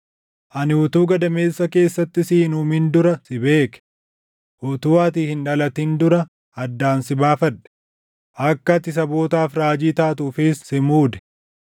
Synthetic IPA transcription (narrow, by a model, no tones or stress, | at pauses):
ʔɐnɪʊt̪uːɡɐd̪ɐme̞ːsːɐke̞ːsːɐt̪ːɪsiːnuːmɪnd̪ʊɾɐsɪbe̞ːkɛ̥ | ʔʊt̪uːaːt̪̬iːhɪnᶑɐlɐt̪ind̪ʊɾɐ | ɐd̪ːaːnsɪbaːfɐᶑɛ̥ | ʔɐkːɐt̪ɪs̬ɐbo̞ːt̪aːfɾaːd͡ʒiːt̪aːt̪uːfɪsːɪmuːd̪ɛ̥